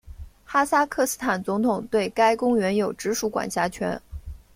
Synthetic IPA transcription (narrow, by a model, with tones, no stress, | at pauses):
xa˥sa˥kʰɤ˥˧sɹ̩˥t̪ʰa˨˩nt͡sʊ˧˥ŋt̪ʰʊ˨˩ŋt̪we˥˩ɪka˥ɪkʊ˥ŋɥɛ˧˥njo˨˩ʊʈ͡ʂɻ̩˧˥ʂu˧˥kwa̰˨˩nɕja˧˥t͡ɕʰɥɛ̰˧˥n